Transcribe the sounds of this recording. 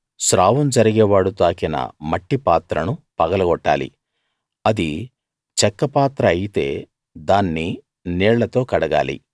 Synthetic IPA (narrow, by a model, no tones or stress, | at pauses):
sɾaːʋɐmd͡ʒɐɾiɡɛːʋaːɽut̪aːkinɐ̰mɐʈːipaːt̪ɾɐnupɐɡɐlɐɡɔʈːa̰ːlḭ | ɐd̪i | t͡ʃɛkːɐpaːt̪ɾɐːjit̪e̞̰ː | d̪aːnːi | nɛːɭlːɐt̪o̞ːkɐɽɐɡa̰ːlḭ